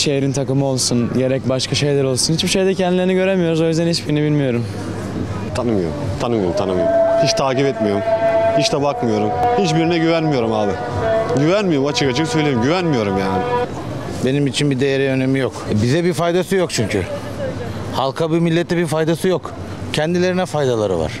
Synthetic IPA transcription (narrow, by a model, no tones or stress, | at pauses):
ʃejeɾint̪ʰakɯmɯo̞lˠsunɟe̞ɾɛc̚baʃkʰaʃe̞jlʲæɾo̞lˠsunhit͡ʃbiʃe̞jd̪ɛcʰɛnd̪ilʲeɾiniɟø̞ɾemijo̞ɾuzojyzd̪ænhit͡ʃbiɾinɛbilʲmijo̞ɾum | t̪ʰanɯmɯjo̞̰ɾumt̪ʰanɯmɯjoɾumt̪ʰanɯmɯjohiʃt̪ʰaːcipɛt̪mijo̞ɾumhiʃt̪ɛbakmɯjo̞ɾumhit͡ʃbiɾinɛɟyvænmijo̞ɾumaːbɪ | ɟyvænmijoɾumat͡ʃʰɯkat͡ʃʰɯksøjlʲeimɟyvænmijo̞ɾumjaːnɪ | be̞nimit͡ʃʰinbid̪e̞jeɾɛø̞nemijokbizɛbifajd̪asɯjo̞k̚t͡ʃʰyɲcʰy̰ | halˠkʰabimilʲːɛt̪ʰːɛbiɾfajd̪asɯjo̞k | cʰɛnd̪ilʲe̞ɾinɛfajd̪alˠaɾɯ̰va̰ɾ̥